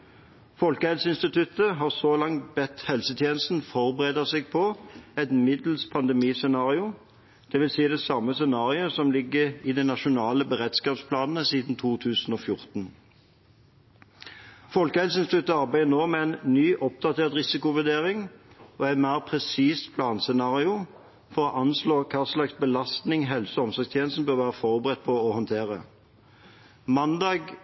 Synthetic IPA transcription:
fɔlkəhɛlsəɪnst̪ɪt̪ʰʉt̪əɦɑʁsoːlɑŋt̪bɛt̪hɛlsət̪ʰjeːnəst̪n̩fɔʁbəʁeːd̪əsɛɡ̚pʰɔɛt̪mɪd̪l̩spʰɑnd̪ɛmiːsɛnɑːʁɪʊ | d̪̥ɛʋɪlsiːd̪ɛsɑmːəsɛnɑːʁɪəsɔmlɪɡːəʁid̪ɛɪnɑʃʊnɑːləbəʁɛt̪skɑːpspʰlɑːnnəsiːd̪n̩t̪ʰuːt̪ʰʉːsn̩oːfjʊʁt̪n̩ | fɔlkəhɛlsənst̪ʉt̪ːəɑʁbæɪd̪ənoːmɛɛnnyːʔɔp̚d̪ɑt̪ʰeːʁt̪ʁɪsɪkʊʋʉd̪eːʁɪŋɔæɪnmæːʁpʰʁɛsiːspʰlɑːnsɛnɑːʁɪʊ | fɔʁɔʔɑnsloːʁkʰɑːʁslɑksbəlɑst̪nɪŋɦɛlsɔɔmsɔɡst̪ʰjeːnəst̪n̩bøːʁʋæːʁəfɔʁbəʁɛt̪̚ːpʰɔɔhɔnt̪ʰeːʁə̰ | mɑnd̪ɑːɡ

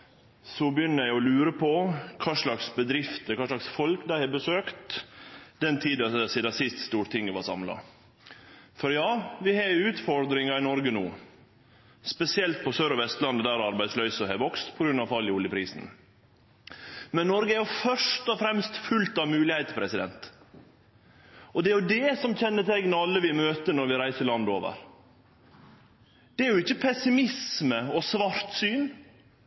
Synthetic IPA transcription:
sɔbəjʏnːəɾæɪɔlʉːɾəpʰɔkʰɑːʂlɑksbəd̪ɾɪft̪əkʰɑːʂlɑksfɔlkd̪æɪhɑbəsøːkt̪ | d̪ɛnt̪ʰiːd̪ɑsiːd̪ɑsɪst̪st̪uːɾt̪ɪŋːəʋɑsɑmlɑ̰ | fɔɾjɑːʋɪhɑʉːt̪fɔɾd̪ɾɪŋɑɪnɔɾɡənuː | spɛsɪɛlt̪̚pʰɔsøːɾɔʋɛst̪lɑnːəd̪æɾɑɾbæɪd̪slœʏsɔɦɛʋɔkst̪pʰɔɡɾʉnːɑʋfɑljəɔljəpʰɾiːsn̩ | mɛnːɔɾɡəæɾjʊfœʂt̪ɔfɾɛmst̪fʉlt̪ɑʋmʉːlɪhæɪt̪pʰɾɛsɪd̪ɛ̰nt̪ | ɔd̪ɛæɾjʊd̪ɛsɔmçɛnːət̪ʰɛɡnəɑlːəʋɪmøːt̪ənɔɾʋɪɾæɪsəlɑnd̪oːʋə̰ɾ | d̪̥ɛæɾjʊɪçːəpʰɛsɪmɪsməɔsʋɑɾt̪syːn

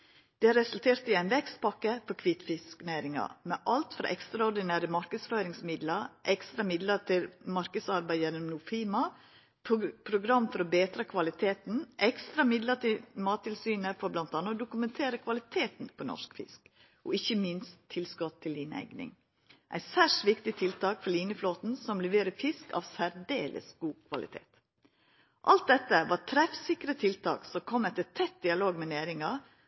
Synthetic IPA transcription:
d̪̥ɛæɾɛsʉlt̪ʰeːɾt̪ɪæɪnʋɛkst̪̚pʰɑkːəfɔɾkʰʋiːt̪fɪsknæɪɾɪŋɑ̰mɛʔɑlt̪fɾɑ̰ʔɛkst̪ɾɑɔɾɖ̪ɪnæːɾəmɑɾkəsføːɾɪŋsmɪd̪ləɾʔɛkst̪ɾɑmɪd̪ləɾt̪ʰɪlmɑɾkəsɑɾbæɪjɛnːɔmnʊfiːmɑ | pʰpʰɾʊɡɾɑmːfɔɾɔbeːt̪ɾɑkʰʋɑlɪt̪ʰeːt̪n̩ʔɛkst̪ɾɑmɪd̪lət̪ʰɪlmɑːt̪ʰːɪlsyːnəɾfɔɾblɑnt̪ɑnːəd̪ʊkʉmɛnt̪ʰeːɾəkʰʋɑlɪt̪ʰeːt̪npʰɔnɔ̰ʂkfɪ̰sk | ʔɔɪçəmɪnst̪ʰːɪlskɔt̪ʰːɪlːiːnæ̰ɪɡnɪ̰ŋ | ʔæ̰ɪsæːʂʋɪkt̪ɪt̪ʰɪlt̪ʰɑːkfɔɾɭliːnəfloːt̪n̩sɔmlɛʋeːɾəfɪskɑ̰ːʋsæɾdḛːlʔə̰sɡ̥uːkʰʋɑ̰lɪ̰t̪ʰḛːt̪ | ʔɑlt̪̚d̪ɛt̪ːəʋɑt̪ʰɾɛfsɪkɾət̪ʰɪlt̪ʰɑ̰ːksɔmkʰɔmːɛt̪ːət̪ʰɛt̪̚d̪ɪɑloːɡmɛnæːɾɪŋɑ

